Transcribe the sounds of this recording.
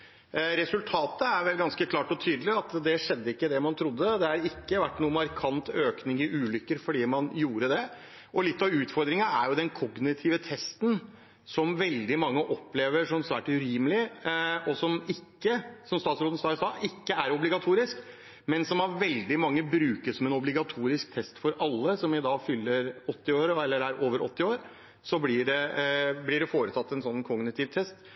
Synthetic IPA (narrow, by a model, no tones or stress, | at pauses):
ɾɛsʉlt̪ʰɑːt̪əæɾʋɛlɡɑnskəkʰlɑːʈɔt̪ʰyːd̪lɪɑt̪d̪ɛʂɛd̪ːəɪkːəd̪ɛmɑnt̪ʰɾʊd̪ːəd̪ɛhɑɾɪkːəʋæʈːnuːmɑɾkʰɑnt̪øːknɪŋɪʔʉːlʏkːəɾfɔɖiːmɑnjuːɾəd̪ɛ | ʔɔlɪt̪ːɑʋʉːt̪fɔɾd̪ɾɪŋɑæ̰ɾjʊd̪ɛnkʰɔɡnɪt̪ʰɪʋət̪ʰɛst̪n̩ | sɔmʋɛld̪ɪmɑŋːəʔɔpːleːʋəʂɔmsʋæːʈʉɾiːməlɪɔsɔmɪkːəsɔmst̪ɑːt̪sɾoːd̪n̩st̪ɑːɪst̪ɑːʔɪkːəæɾɔblɪɡɑt̪ʰuːɾɪsk | mɛnsɔmæɾʋɛld̪ɪmɑŋːəbɾʉːkəsɔmɛnɔblɪɡɑt̪ʰuːɾɪsk̚t̪ʰɛst̪fɔɾʔɑlːəsɔmɪd̪ɑːfʏlːəɾɔt̪ːɪoːɾəɛlːəɾæɾʔoːʋəɾɔ̰t̪ːɪoːɾ | sɔblɪɖɛblɪɖɛfoːɾət̪ʰɑt̪ːɛnsɔnːkʰɔɡnɪt̪ʰɪːʋt̪ʰɛst̪